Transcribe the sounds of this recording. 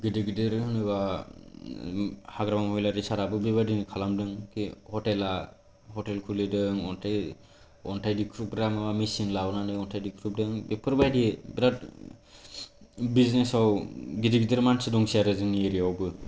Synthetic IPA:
ɡidiɡidɯɾhɯnɯβa | haɡɾamamhɔjlaɾisaɾabɯbebadinkʰalamdɯŋkihɔtela | hɔtelkʰulidɯŋɔntʰaj | ɔntʰajdikʰɾup̚ɡɾamɯbamisinlawnanɯɔntʰajdikʰɾup̚dɯŋbepʰɯɾbajdibɾat̚ | biznesawɡidiɡidɯɾmansɯdɔŋsiaɾɯzɯnieɾiawbɯ

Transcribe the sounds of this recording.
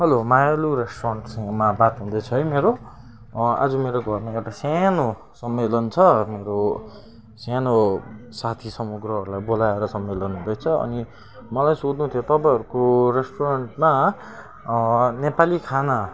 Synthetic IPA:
ɦʌlomajaluɾesʈorʌɳʈsmabat̪ɦũd̪ʌjt͡sʰʌɦijmeɾo | a̰d͡zʌmeɾoɡʱʌrneewʈasjano | sʌmːelʌnt͡sʰʌmeɾo | sanosat̪ʰisʌmuɡrʌɦʌɾulajbolaeɾʌsʌmːelʌnɦũd̪ʌjt͡sʰʌʌ̰ni | mʌlajsod̪nũt̪ʰijot̪ʌpãj̃ɦʌɾukoresʈoɾʌɳʈma | nepalikʰana

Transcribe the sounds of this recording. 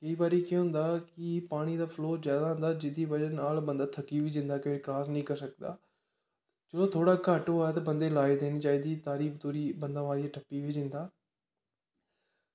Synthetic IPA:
kəiːbaːɾiːkõɦʊ̃nd̪aːkɪpaːɽ̃iːd̪aːpʰloːzjaːd̪aːɦʊ̃nd̪aːd͡ʒɪd̪iːbəd͡ʒənaːlbənd̪aːt̪ʰəkːiːʋiːd͡ʒɪ̃nd̪aːkɪʋeːklaːsnĩːkəɾsək̚d̪a̰ː | d͡ʒəɽoːt̪ʰoːɽaːkəʈoːɛːt̪aːbənd̪eːlaːid̪eːniːt͡ʃaːiːd̪iːt̪aːɾiːbt̪oːɾiːbənd̪ãːʋaːɾiaːʈʰəpːiːʋiːd͡ʒɪ̃nd̪aː

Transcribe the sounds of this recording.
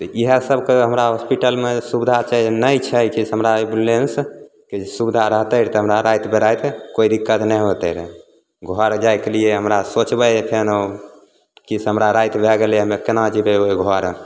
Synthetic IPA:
t̪ɔiɦəsəbkeɦəmɾaɦospiʈəlmesubd̪ʱat͡ʃanəjt͡ʃʰɛkisɦəmɾaebulens | kesubd̪ʱaɾəɦt̪əɾt̪ɔɦəmɾaɾajt̪ʰbʱeɾajt̪ʰkoid̪ikːət̪nɛjɦot̪əɾ | ɡʱɔɾd͡ʒajkelieɦəmɾasot͡ʃbəpʰeno | kisɦəmɾaɾajt̪ʰbʱɛɡeleəmekenad͡ʒibeɦoiɡʱɔɾ

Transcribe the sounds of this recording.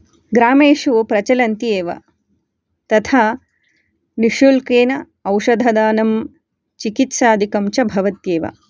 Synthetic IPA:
ɡɾaːmeːʃupɾɐt͡ʃɐlɐnt̪ijeːʋɐ̰ | t̪ɐt̪ʰaː | niʃulkeːnɐ | ɐwʃɐd̪ʱɐd̪aːnɐm | t͡ʃikit̪saːd̪ʱikɐmt͡ʃɐbʱɐʋɐt̪jeːʋɐ̰

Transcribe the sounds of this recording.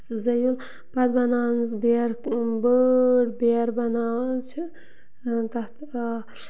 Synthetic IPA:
szɐjul | pɐd̪bɐnaːnsbeɾbəɽbeɾbɐnaːnt͡ʃʰi | t̪ɐt̪

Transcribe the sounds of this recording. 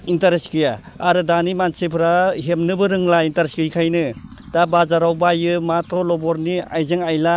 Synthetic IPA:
intaɾeskɯjaː | ɾɯdanimansepʰɯɾaɦemnɯbɯɾɯŋlaintaɾeskɯjkʰajnɯd̥abazaɾawbajɯmatʰɔlɔbɔɾniajzɯŋajla

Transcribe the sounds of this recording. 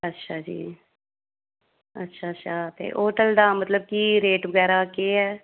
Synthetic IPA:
ətːʃʰaːd͡ʒḭː | ə̰tːʃʰaːtːʃʰaːt̪ḛːʔoːʈəld̪aːmət̪ləb̚kiːɾeːʈbəɡɛːɾaːkeːɦɛː

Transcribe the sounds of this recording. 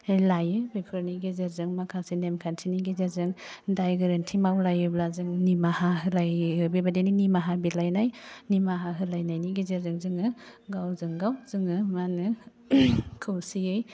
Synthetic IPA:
ejlajɯbepʰɯɾniɡizeɾzɯŋmakʰasenemkʰantʰiniɡizeɾzɯŋdajɡɯɾentʰimawlajɯblazɯŋnimahaɦɯlajɯbibadeninimaɦabilajnajnimaɦaɦɯlajnajniɡizeɾzɯŋzɯŋɯɡawzɯŋɡawzɯŋɯmanɯ | kʰɯwsiɯj

